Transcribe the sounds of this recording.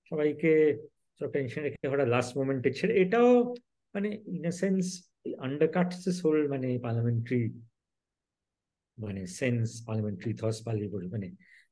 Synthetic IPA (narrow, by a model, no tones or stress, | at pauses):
ʃɔbajke | t͡ɕɔʈenʃənɾekʰeɦɔɽalasʈmomẽɳʈet͡ɕʰeleʈao | maneinesens | ʔɐɳɖəkaʈsesɦolmanepaɾlameɳʈɾi | manesenspaɾlameɳʈɾit̪ʰɔspalipoɾemane